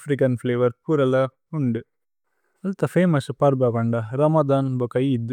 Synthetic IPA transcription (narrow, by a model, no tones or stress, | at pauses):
fɾikɐnfleːʋɐɾpuːɾɐlɐ | uɳɖɨ | ɐlt̪ɐfeːmɐspɐɾbɐkɐɳɖɐɾɐmɐd̪aːnbɐkɐjid̪ːɨ